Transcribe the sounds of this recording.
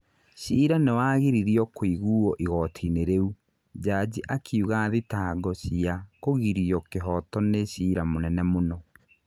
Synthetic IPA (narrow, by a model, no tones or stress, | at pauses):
ɕiːɾanewaɣiɾiɾiɔkoiɣuːɔʔiɣɔtʰineɾeu | d͡ʒad͡ʑiʔakʰiuɣaðitaːɡɔɕiakoɣiɾiɔkeɦɔtɔneɕiːɾamonɛnɛmonɔ